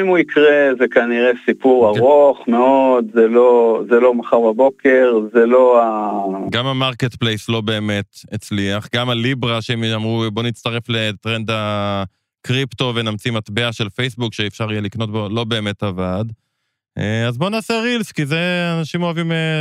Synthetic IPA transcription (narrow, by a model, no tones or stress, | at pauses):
imuikʁezekaniʁesipuʁaʁo̞χmeodzelozelo̞maχaʁbabo̞ke̞ʁzeloaɡamamaʁket̪plejslo̞be̞ːme̞t̪et͡sliaχɡamalibʁaʃeemamʁubo̞nit͡st̪aʁe̞fle̞tʁenda | kʁipt̪o̞venamt͡simat̪beaʃe̞lfejsbukʃeːfʃaʁijelikno̞tbo̞lo̞be̞ːme̞tavad | eazbo̞naːseʁilskizeanaʃimoavime